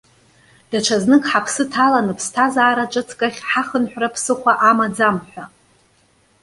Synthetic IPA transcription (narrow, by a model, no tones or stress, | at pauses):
d̥aʈ͡ʂʷʰaznɨkʰʼħapʰsɨtʰalanɨpʰstʰazaːɾat͡ʃʷʼɨt͡sʰʼkʼaχʲħaχənħʷᶣrapʰsɨχʷaʔamad͡zamħᶣʷa